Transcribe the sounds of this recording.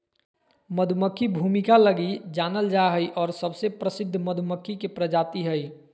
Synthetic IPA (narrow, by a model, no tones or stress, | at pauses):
məd̪ʱməkʰːibʱumikaləɡid͡ʒanəld͡ʒaɦəjʔɔːɾsəbsepɾəsɪd̪ʱːməd̪ʱuməkʰːikepɾəd͡ʒat̪iɦəj